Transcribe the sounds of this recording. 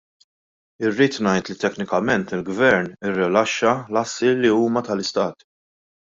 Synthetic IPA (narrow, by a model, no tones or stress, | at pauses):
ɪrːiːt̪nɐjt̪lit̪ɛknɪkɐmɛnt̪ɪlɡvɛɾnɪrːɪlɐʃːɐlɐsːilːiuːmɐt̪ɐlɪst̪ɐːt̪